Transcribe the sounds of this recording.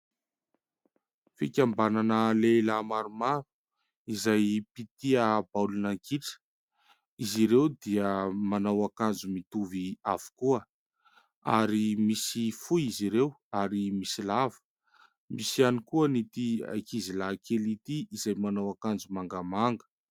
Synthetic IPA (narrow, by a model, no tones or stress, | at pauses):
fikʲambananəlelamaɾumaɾu̥ | izajpit̪iabawlunaŋkiʈ͡ʂə̥ | iziɾewd̪iəmanawakand͡zumit̪uviav̥u̥kuə | a̰ɾimisifuiziɾewaɾimisilavə̥ | misianikuənit̪ia̰jkizilakʰelit̪iizajmanawakand͡zumaŋɡamaŋɡə̥